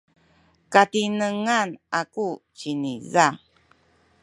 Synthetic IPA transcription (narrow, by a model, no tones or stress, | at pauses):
katinəŋanakuciniza